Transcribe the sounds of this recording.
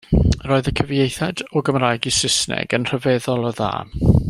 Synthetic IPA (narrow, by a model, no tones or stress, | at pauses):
roːɨðəkʰəvjejθɛdɔɡəmraːjɡisɪsnɛ̰ɡənr̥əvɛðɔlˠɔða̰ːn